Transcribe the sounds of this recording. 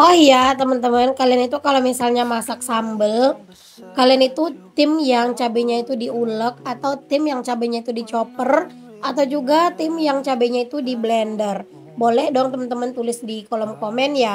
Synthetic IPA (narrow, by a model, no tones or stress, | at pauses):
ɔhjat̪əmənt̪əmənkalianit̪ukalomisalɲamasak̚sambəl | kalianit̪ut̪ɪmjaŋt͡ʃabɛɲait̪udiulək̚at̪awt̪ɪmjaŋt͡ʃabɛɲait̪udit͡ʃopər | ʔat̪awd͡ʒuɡat̪ɪmjaŋt͡ʃabɛɲait̪udiblɛndər | bolɛhdɔŋt̪əmənt̪əmənt̪ulɪsdikolɔmkomɛnja